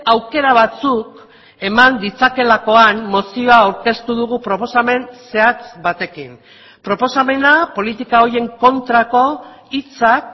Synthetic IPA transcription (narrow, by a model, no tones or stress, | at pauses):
awke̞ɾaβ̞at͡suk | e̞mand̪it͡sake̞lako̞anːo̞sioaːwɾke̞st̪uðuɣ̞upɾo̞po̞same̞nse̞at͡sβat̪e̞kin | pɾo̞po̞same̞napo̞lit̪ikao̞ɾje̞ŋko̞nt̪ɾako̞ | it͡sak